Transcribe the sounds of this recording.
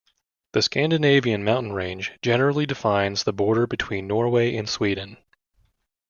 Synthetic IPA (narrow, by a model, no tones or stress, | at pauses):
ðɨskæ̃ndɨneɪviɨ̃nmãʊ̃nn̩ɹẽɪ̃nd͡ʒd͡ʒɛnə˞l̩ˠidɨfãɪ̃nzðəbɔɹɾə˞bɨtʰw̥ĩnːɔɹweɪʔɨ̃nswidⁿn̩